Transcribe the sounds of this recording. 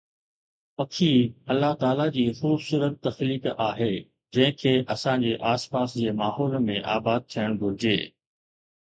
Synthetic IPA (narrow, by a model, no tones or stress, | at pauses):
pɐkʰiɐlːat̪aːlad͡ʑiːxuːbsuːɾət̪̚ːɐxliːkaːɦeː | d͡ʑɐ̃ɦɪ̃kʰeːʔɐsãɲd͡ʑeːʔaːspaːsd͡ʑeːmaːɦɔːlmẽʔaːbaːd̪̚t̪ʰijəɽ̃ɡʱʊɾɪd͡ʑḛː